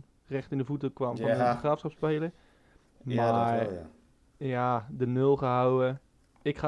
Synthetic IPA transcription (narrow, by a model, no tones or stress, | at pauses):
rɛχtɪndəvutəkʋamɔnχraːfsχɑpspejlə | ma | jadənølˠχəɦawə | ɪkχa